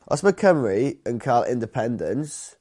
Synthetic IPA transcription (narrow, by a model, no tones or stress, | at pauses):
ʔɔ̰sməkʰə̃mɹiə̃nkʰaːlʔɪ̰̃ndɪpʰɛ̃ndə̰̃ns